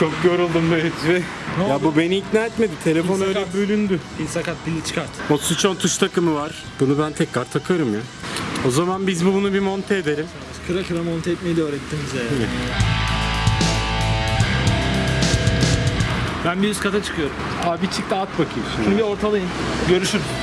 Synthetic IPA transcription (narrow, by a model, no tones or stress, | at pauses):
t͡ʃʰok̚ɟo̞ɾulˠd̪umbøet̪vɪ | jabube̞niːcnaːet̪med̪it̪ʰe̞lʲe̞foøjlɛbølʲynd̪yilʲsakat̪̚bilʲit͡ʃʰɯ̥kaɾt̪ʰɯ̥osut͡ʃʰont̪ʰuʃt̪ʰakɯmɯvaɾ̥ | b̥unubænt̪ʰɛcɾaɾt̪ʰakʰaɾɯmja | o̞zamanbizbubunubimo̞nt̪ʰeːd̪eɾim | kʰɯɾakɯɾamont̪ʰeːt̪me̞jid̪ɛøːɾɛt̪ʰːimizja | bænbiɾyskʰat̪ʰat͡ʃʰɯ̥kʰɯjo̞ɾum | abit͡ʃʰik̚t̪aat̪bakʰɯjsimbio̞ɾt̪ʰalˠajɯmɟø̞ɾyʃyɾm